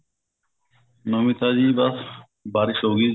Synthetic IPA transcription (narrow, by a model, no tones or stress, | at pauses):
nomit̪ad͡ʑibas | baɾiʃoɡi